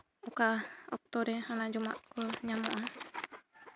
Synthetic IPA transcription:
ukaɔ̰k̚t̪ɔɾehanad͡ʒuma̰ʔkuɲamoʔa

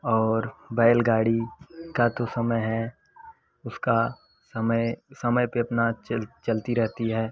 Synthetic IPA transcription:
ɔːɾbɛːlɡaːɽikat̪osɐməjɦɛ | ʊska | sɐməsɐməjpeɐpnat͡ʃt͡ʃɐlt̪iɾɛɦt̪iɦɛː

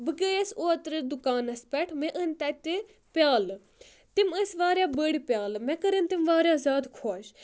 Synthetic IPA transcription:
bɨɡəːesoːt̪ɾəd̪ʊkaːnɐspɛʈʰmẽʔənt̪ɐt̪e | pjaːl | t̪iməsʋaːɾjaːbəɽipjaːlmɛ̃kɐɾənt̪imʋaːɾjaːzʲaːd̪kʰoːʃ

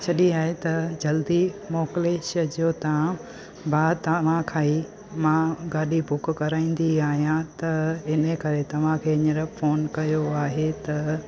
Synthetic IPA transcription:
sʰɐɗiaːɦet̪ɐd͡ʑɐld̪imɔːkleːʃəd͡ʑoːt̪ɐʋ̤ã | baːt̪ɐʋ̤ãkʰaːi | mãɡaːɗibʊkkɐɾaːĩːn̆d̪iaːɦijãt̪ɐɪnəkɐɾet̪ɐʋ̤ãkʰeːɪɲəɾəfoːnkɐjoaːɦet̪ɐ

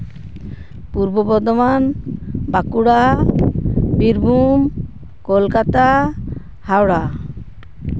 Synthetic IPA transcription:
puɾbɔbɔd̪ɔmanbakuɽa | biɾbʱum | kɔlkat̪a | hawɽa

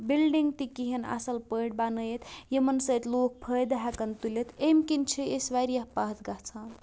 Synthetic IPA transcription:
bilɖiŋɡ̚t̪ikiɦena̰sɐlpəɽbanəjet̪jemɐnsəjt̪loːk̚pʰəjd̪ɦakɐnt̪ulet̪emkint͡ʃʰiesʋaɾjaɦpaɦt̪ɡat͡sʰan

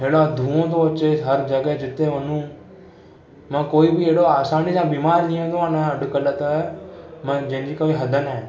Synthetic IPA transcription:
ɦeːɽad̪ʱũːõt̪̬oɐt͡ʃeɦɐɾd͡ʒɐɡəɦd͡ʒɪt̪eʋənũː | mãːkoːibɪeːɽoaːsaːnisãːbiːmaːɾlijõt̪õanaɐɖʊkələt̪ː | mə̃d͡ʒɐ̃ɦɪ̃ɲd͡ʒiːkoːiɦɐd̪ʱənɛ̃ː

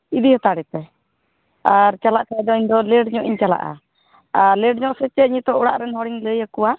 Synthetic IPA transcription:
id̪ihɔt̪aɽɛt̪ɛ | aɾt͡ʃalaʔkaɛd̪ɔiɲd̪ɔləɖɲɔʔiɲt͡ʃala̰ʔa̰ | aɾləɖɲɔʔsɛt͡ʃɛɲit̪ɔʔuɽa̰ʔɾɛnhɔɽiŋləjakuwa

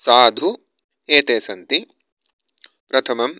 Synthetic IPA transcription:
saːd̪ʱu | eːt̪eːsɐnt̪i | pɾɐt̪ʰɐmɐm

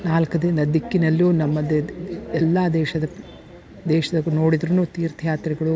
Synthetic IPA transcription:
naːlkɐd̪ind̪ɐd̪ikːinɐlːunɐmːɐd̪ɛlːaːd̪ɛːʃɐd̪ɐ | d̪ɛːʃɐd̪ɐnoːɽid̪ɾunuːt̪iːɾt̪ʰjaːt̪ɾiɡɐɭu

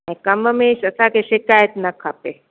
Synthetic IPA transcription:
ẽkɐməmeːʃɐsakeʃɪkaːjət̪nɐkʰːape

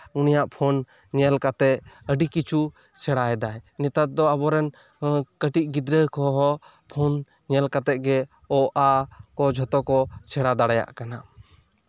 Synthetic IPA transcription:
unijaʔpʰɔn | ɲɛlkat̪ɛəɖikit͡ʃʰu | sɛɽaɛd̪ajnɛt̪at̪̚d̪ɔabɔɾɛn | kəʈiʔ̚ɡid̪ɾəkʰɔɦɔ | pʰɔn | ɲɛlkat̪ɛʔ̪̚ɡɛ | ɔʔakɔd͡ʒʱɔt̪ɔkɔsɛɽad̪aɽaja̰ʔkana

